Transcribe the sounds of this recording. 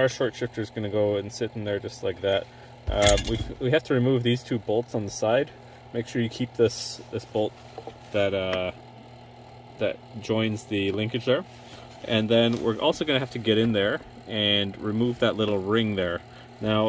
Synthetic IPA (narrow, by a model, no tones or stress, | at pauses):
ə˞ʃɔɹtʃɪftə˞zɡʌnɨɡoʊɨ̃nsɪɾn̩ðə˞d͡ʒʌstˡlaɪk̚ðæt̚ | ʌwiwiɦæftʰɨɹimuvðiz̥tʰʉboʊlˠtsn̩ðəsaɪd | meɪkʃʊɹjɨkʰip̚ðɪsðɪsb̥oʊlˠt̪̚ | ðɨtʌ | ðɨ̰t̚d̥ʒ̥ɔ̃ɪ̃nzðɨlɪ̃ŋkɨd͡ʒə˞ | ʔɨ̃nðɨ̃nwɪ̰ɹʔɔ̰lˠsoʊɡʌnɨɦæftɨɡɛɾɨ̃nðə˞ | ɨ̃nɹimuvðətʔˡlɪɾl̩ˠɹɪ̃ŋðə˞ | naʊ